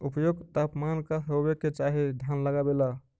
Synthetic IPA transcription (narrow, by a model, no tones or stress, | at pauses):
upəjoɡt̪apmankaɦobekːet͡ʃaɦid̪ʱjanləɡabela